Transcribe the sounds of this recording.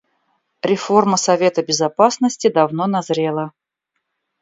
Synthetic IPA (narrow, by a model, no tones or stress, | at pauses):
ɾʲɪfo̞rməsɐvʲe̞t̪əbʲɪzɐpasnəsʲtʲɪd̪ɐvno̞nɐzɾʲelˠə